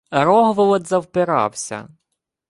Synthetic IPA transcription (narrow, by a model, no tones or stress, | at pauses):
ɾɔɦʋɔlˠɔd̪zɐwpɪɾɑ̰wsʲɐ̰